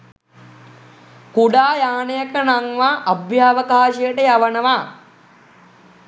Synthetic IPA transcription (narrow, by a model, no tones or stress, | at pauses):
kuɖaːjaːnejəkənaŋʋaːʔːbjaːʋəkaːʃijəʈəjaʋənəʋa